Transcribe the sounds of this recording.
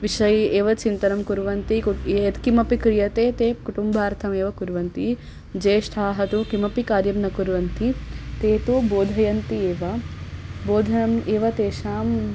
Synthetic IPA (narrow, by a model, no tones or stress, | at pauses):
ʋiʃɐjeːʋɐt͡ʃint̪ɐnɐmkuɾʋɐnt̪iɐt̪kimɐpikɾijɐt̪eːt̪eːkuʈumbʱaːɾt̪ʰɐmeːʋɐkuɾʋɐnt̪i | d͡ʒeːʃʈʰaːɦɐt̪ukimɐpikaːɾjɐmnɐkuɾʋɐnt̪it̪eːt̪uboːd̪ʱɐjɐnt̪ieːʋɐ | boːd̪ʱɐnɐmeːʋɐt̪eːʃaːm